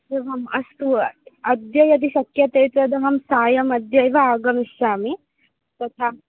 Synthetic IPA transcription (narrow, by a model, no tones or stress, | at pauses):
eʋɐmɐst̪uɐɐd̪jɐjɐt̪̬iʃɐkjɐt̪eːt̪ɐd̪ɐɦɐmsaːjɐmɐd̪jɐjʋɐaːɡɐmiʃjaːmi | t̪ɐt̪ʰaː